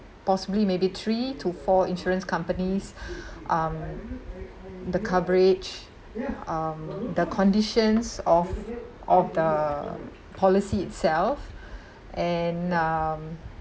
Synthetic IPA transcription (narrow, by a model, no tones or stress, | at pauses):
pɔsiblimebit̪ʰɹitʰufɔĩnʃɔɹə̃nskãmpənisʔam | d̪əkʰavəɹɪd͡ʒ | amd̪əkʰɔ̃ndiʃə̃nsɔf | ɔfdə | pʰɔlisiɪtsɛlf | ʔɛ̃nam